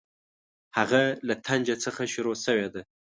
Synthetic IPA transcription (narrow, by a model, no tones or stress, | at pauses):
haɣalat̪ʰand͡ʒat͡səxaʃʊɾosəwed̪a